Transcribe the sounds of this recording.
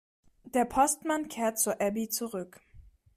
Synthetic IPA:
d̥eːɐpʰɔstmankʰeːɐt̚t͡suɐʔɛbit͡suʁʏk

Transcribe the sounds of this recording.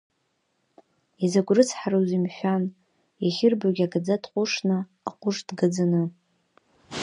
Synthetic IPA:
izaɡʷrɨt͡sʰħaɾozimħʷᶣan | jaχʲɪrbaɡʲaɡad͡zatʰʼqʷʼʊʂnaː | qʷʼʊʐdɡad͡zanɨ

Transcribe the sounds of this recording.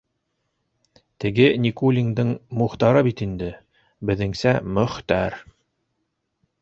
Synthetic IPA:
t̪ɘ̆ɡɘnikulʲiŋd̪ɤɴmɵ̆χt̪ɑɾɤbit̪ind̪ɘ | bɘ̆ðɘ̆ŋsæmɵ̆χt̪æɾ

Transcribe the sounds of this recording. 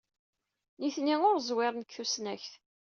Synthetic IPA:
niθniʊɾzˤwɪɾˤnəkθusnæçθ

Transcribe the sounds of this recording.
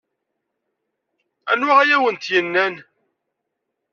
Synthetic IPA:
æ̰nwaʁæjæwənt̪jənːæn

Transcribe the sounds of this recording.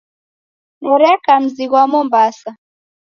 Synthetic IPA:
ŋuɾɛkam̩ziɣwamɔmbasa

